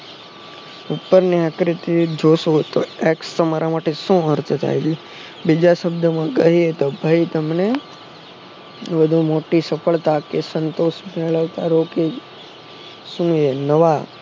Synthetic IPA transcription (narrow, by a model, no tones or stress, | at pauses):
upːəɾniakɾit̪id͡ʒoʃut̪oekst̪əmaɾamaʈesũəɾt̪ət̪a̰jd͡ʒi | bid͡ʒaʃəbd̪ʱəmãkəɦiet̪obʱəit̪əmne | bəd̪ʱumoʈisəpʰəɭt̪akesənt̪oʃmeɭəʋt̪aɾoke | sũenəʋa